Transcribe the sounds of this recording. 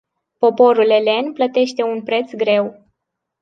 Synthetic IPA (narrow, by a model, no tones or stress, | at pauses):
po̞po̞ɾule̞le̞nplət̪e̞ʃt̪e̞unpɾe̞t̪sɡɾe̞w